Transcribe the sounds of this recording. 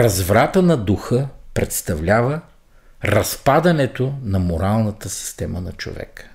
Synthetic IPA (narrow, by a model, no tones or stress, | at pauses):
ɾɐzvɾat̪ənɐd̪uxɤpɾɛt̪st̪ɐvlʲavə | ɾɐspad̪ɐnɛt̪onɐmoɾalˠnɐt̪əsi̥st̪ɛmənɐt͡ʃo̰vɛ̰k